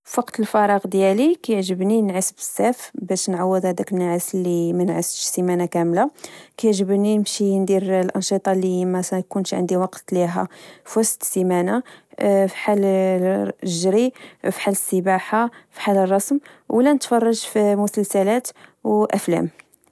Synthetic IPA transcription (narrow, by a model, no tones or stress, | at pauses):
fwɑqt̪əlfɑɾˤɑqd̪jælikæjəʕʒəbninʕəsbəsːæfbæʃnʕawːəd̪hæd̪ækənʕəslːimænʕəsʃsimænakæmlakæjʕʒəbnimʃind̪iɾlʔɑnʃit̪ˤɑlimæjkunʃʕə̰nd̪iwɑqt̪liɦa̰fɑst̪simæna | fiħal | ʒɾifi̥ħaləsːəbaħafi̥ħalərˤːɑsmwlænət̪fɑrˤːɑʒfimʊsəlsælæt̪wʔæflæ̰m